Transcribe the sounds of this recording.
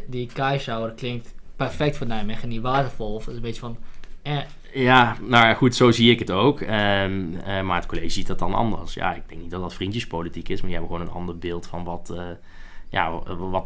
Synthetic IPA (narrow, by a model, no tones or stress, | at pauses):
dikɛjʃawəɾəklɪŋk̚tpɛrfɛk̚tfənɛjmɛxəniʋaːtəfɔlˠɔfmbɪtjəfɔnɛ | janowjaxutsoːziːɪkətowkə | marətkoleːʒəzit̚dɔt̚ɑnɑ̰ndərsja̰ɪɡ̚dɛŋk̚nit̚dɔtdɑtfrintjəspolitikɪsmaːdihɛbəxwoːnənɑ̰ndərbɪːlˠtfɔnʋɔt | ja̰ʋɔt